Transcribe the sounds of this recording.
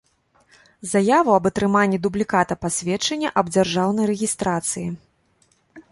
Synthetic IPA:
zajavɐɐbɐt̪ɾɨmanʲːid̪ublʲikat̪ɐpasʲvʲɛt͡ʂɐnʲːɛʔɐb̚d͡zʲarʐawnɐjɾɛɣʲist̪ɾat̪sɨji

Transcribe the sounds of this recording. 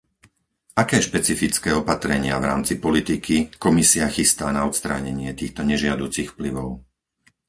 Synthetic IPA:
akɛːʃpɛt͡sifit͡skɛːɔpat̪ɾɛɲɪavɾa̰ːmt͡sipɔlit̪ikikɔmisiaxist̪aːnaɔt̪st̪ɾa̰ɲɛɲɪɛt̪iːxt̪ɔɲɛʒɪad̪uːt͡sixfpliʋɔʊ

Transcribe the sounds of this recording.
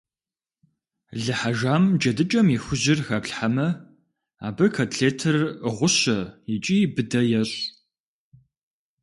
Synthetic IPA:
ɮɨħaʒaːmd͡ʒɐdɨt͡ʃʼɐmixʷʊʑɪrxɐpɬħamɐ | a̰ːbɐkʰɐtʰɬeːtʰɐrɨʁʷʊɕɐit͡ʃʼibɨdɐjɛɕ

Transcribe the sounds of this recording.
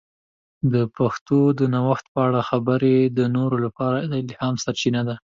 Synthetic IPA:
d̪əpaxt̪od̪ənawaxt̪̚pəaɽaxabəɾed̪ənoɾolapɑɾad̪ɪlhɑmsaɾt͡ʃinad̪a

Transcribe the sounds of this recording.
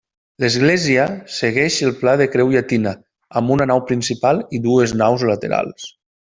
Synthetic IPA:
ləzɣlɛziəseɣɛʃəlˠplaðəkɾɛwiat̪inə | əmbunənawpɾinsipalˠiðueznawzlət̪ḛɾa̰lˠs

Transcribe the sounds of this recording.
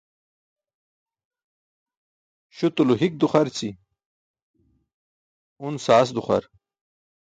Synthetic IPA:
ɕut̪uluɦik̚d̪uχɐɾt͡si | unsaːs̬d̪uχa̰ɾ

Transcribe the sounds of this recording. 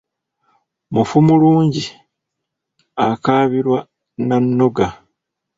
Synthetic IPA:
mufumuluːɲɟi | akaːβiɾwa | nanːo̞ɡa

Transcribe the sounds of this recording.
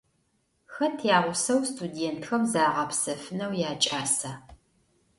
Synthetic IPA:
xɐtʰjaːʁʷʊsɐwstʰudeːntxɐmzaːʁɐpsɐfɨnɐwjaːt͡ʃʼaːsa

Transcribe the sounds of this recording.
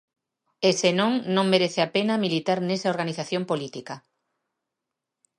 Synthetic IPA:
esenõŋnõŋmeɾeθeapenɐmilit̪aɾnesaoɾɣ̞aniθaθjõmpolit̪ikɐ

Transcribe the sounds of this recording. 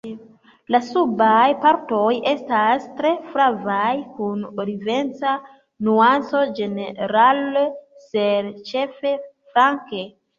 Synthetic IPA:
lasubajpaɾto̞je̞stastɾe̞fɾavajkunɾive̞nt͡sa | nuant͡so̞d͡ʒe̞neɾalseɾt͡ʃe̞fe̞fɾaŋke

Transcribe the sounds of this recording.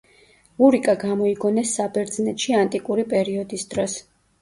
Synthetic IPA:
uɾikʼaɡamɔiɡɔnɛsːabɛɾd̪znɛt̪ʃiant̪ʼikʼuɾipʼɛɾiɔd̪isd̪̥ɾɔs

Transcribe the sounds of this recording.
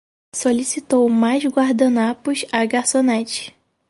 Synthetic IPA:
solisit̪owmajzɡwaɾd̪ɐnapʊʃaɡaɾsonɛt͡ʃi̥

